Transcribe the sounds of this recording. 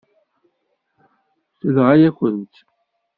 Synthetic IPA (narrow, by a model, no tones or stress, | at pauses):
θəlʁajækʷənt̪